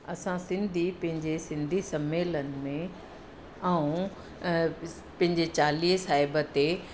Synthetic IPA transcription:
ɐsãsɪ̃nd̪ʱipɐ̃ɦɪ̃ɲd͡ʑesɪ̃nd̪ʱisɐmeːlənɪ̆mẽ | ɐũ | pɐ̃ɦɪ̃ɲd͡ʑet͡ɕaːliːsaːɦɪbət̪e

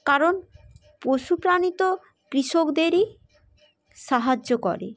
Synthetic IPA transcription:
kaɾon | pɾoʃupɾanit̪o | kɾiʃokd̪eɾi | ʃaɦad͡ʑːokɔ̰ɾḛ

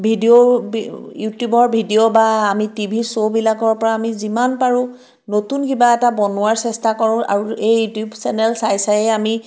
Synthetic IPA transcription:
bʱidio | jutjubɔɹbʱidiobaːmitibʱisobilakɔɹpɔɹaːmizimanpaɹʊ̃ | notunkibaɛtabɔnʊwaɹsɛstakɔɹʊ̃a̰ɹuejutjubsɛnɛlsajsajɛami

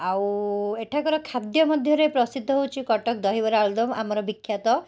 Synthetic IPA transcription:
aweʈʰakɔɾɔkʰad̪jɔmɔd̪ʱjɔɾepɾɔsid̪ʱːɔɦowt͡ʃʰikɔʈɔk̚d̪ɔɦibɔɾald̪ɔma̰mɔɾɔbikʰːjat̪ɔ

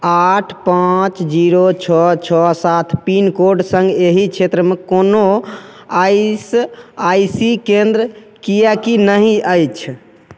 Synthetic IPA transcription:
aʈʰpãt͡ʃd͡ʒiɾot͡ʃʰɔt͡ʃʰɔsat̪ʰpinkoɾɖsə̃ŋɡeɦikt͡ʃʰet̪ɾəmekono | ajsajsikẽnd̪ɾəkijakinəɦĩʔəjt͡ʃʰ

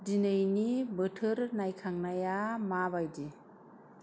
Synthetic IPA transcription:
dinɯjnibɯtʰɯɾnajkʰaŋnajamaβajdi

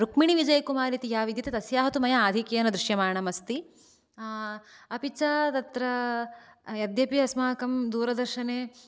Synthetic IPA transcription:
ɾukmiɳiʋid͡ʒɐjɐkumaːɾit̪ijaːʋid̪jɐt̪et̪ɐsjaːɦɐt̪umɐjɐaːd̪ʱikeɐnɐd̪ɾuʃjɐmaːɳɐmɐst̪i | ɐpit͡ʃaːt̪ɐt̪ɾɐ | jɐd̪jɐpiɐsmaːkɐmd̪uːɾɐd̪ɐɾʃɐneː

